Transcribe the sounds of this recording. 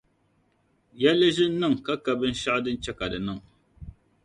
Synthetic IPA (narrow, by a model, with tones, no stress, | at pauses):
jɛ˦lɨ˦ʒɪ˦n̩˦nɨ˦˨ŋ˨ka˦ka˨bɨ˦n̩˦ʃa˦ʔdɨ˦n̩˦t͡ʃɛ˦ka˨dɨ˨nɨ˦˨ŋ